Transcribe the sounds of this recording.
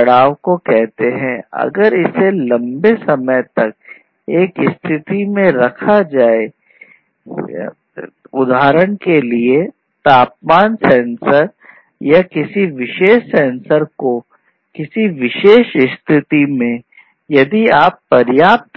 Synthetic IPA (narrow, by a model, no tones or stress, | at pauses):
ɐɽaːʋkokɛɦt̪eɦɛ̃ɐ̰ɡəɾɪselɐ̃mbesɐməjt̪ɐk̚ | eːkɪst̪ʰɪt̪imẽɾɐkʰad͡ʒaːe | ʊd̪ʱaːɾəɽ̃kelie | t̪aːp̚maːnsɛ̃ːnsəɾ | jakɪsiʋɪʃeːʃsɛ̃ːnsəɾko | kɪsiʋɪʃeːʃɪst̪ʰɪt̪imẽ | jɐd̪iaːpːɐɾjaːp̚t̪